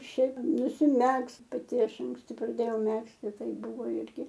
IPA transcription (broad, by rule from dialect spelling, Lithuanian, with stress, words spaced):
ˈʃʲɛɪp nʊsʲɪˈmʲɛkst pɐˈtʲɪ ˈɐʃ ɐŋksʲˈtʲɪ prɐˈdʲeːjɛʊ ˈmʲæːksʲtʲɪ ˈtɐɪ ˈbʊʋoː ˈɪrʲɡʲɪ